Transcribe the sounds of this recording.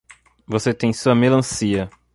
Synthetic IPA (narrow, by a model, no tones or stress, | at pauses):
voset̪ẽj̃suɐmelɐ̃siɐ